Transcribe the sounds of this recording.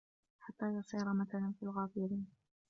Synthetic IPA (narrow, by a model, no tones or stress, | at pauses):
ħat̪ːaːjʊsˤiːɾamaθalanfiːlɣaːfɪɾiːn